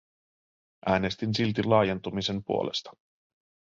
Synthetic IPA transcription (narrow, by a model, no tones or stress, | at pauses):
ʔæːne̞st̪insilt̪ilɑːjent̪umise̞mpṵolʔe̞̰st̪ɑ̥